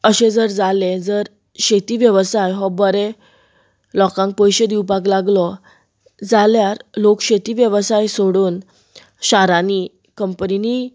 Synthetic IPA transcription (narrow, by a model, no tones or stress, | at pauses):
əɕed͡zəɾd͡zaled͡zəɾ | ɕet̪iːʋjəʋsajɦɔbəɾe | lɔkãŋk̚pojɕed̪iwpaɡlaɡlɔ | d͡zaljaɾlokɕet̪iːʋjəʋsajsoɽuːn | ɕaɾani | kəmpənini